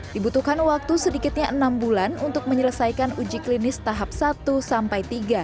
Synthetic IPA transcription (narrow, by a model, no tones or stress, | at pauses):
dibut̪uhkanwak̚t̪usədikɪt̪̚ɲaʔənambulanunt̪ʊk̚məɲələsajkanud͡ʒiklinɪst̪aɦap̚sat̪usampajt̪iɡa